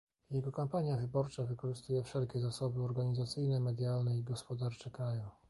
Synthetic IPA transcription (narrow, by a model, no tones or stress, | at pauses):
jɛɡɔkampaɲjavɘbɔɾt͡ʂavɘkɔʐɘst̪ujɛfʂɛlkʲɛzasɔbɘɔɾɡaɲizat̪sɘjnɛmɛd̪jalnɛiɡɔspɔd̪aɾt͡ʂɛkɾaju